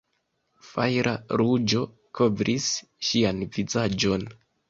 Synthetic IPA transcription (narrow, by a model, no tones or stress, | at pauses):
fajɾʔaɾud͡ʒo̞ | kʰo̞vɾʔis | ʃianvizad͡ʒo̞n